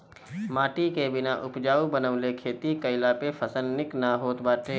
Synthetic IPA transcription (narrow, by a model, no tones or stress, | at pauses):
maːʈikebɪnaʔʊpd͡ʒaːubənəʋlekʰeːt̪ikəɪlapepʰəsəlːɪknaɦoːt̪baːʈ̪ʰeː